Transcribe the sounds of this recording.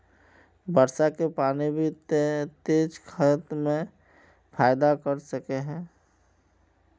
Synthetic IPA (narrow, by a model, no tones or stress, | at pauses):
bəɾsakepaːnibʱit̪t̪eːd͡ʒkʰət̪mẽ | pʰaːjɪd̪akəɾsəkeɦɛ̃ː